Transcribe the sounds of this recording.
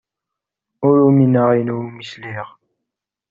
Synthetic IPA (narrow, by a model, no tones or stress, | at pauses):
ʊɾuminəʁinwmisliʁ